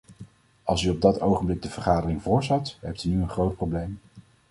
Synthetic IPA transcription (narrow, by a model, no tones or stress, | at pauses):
ɑlˠsyɔb̚dɑtowχəmblɪɡ̚dəvəɹχaːdərɪŋvʊːɹzɑtɦɛp̚tynyənχrowt̚prowblejm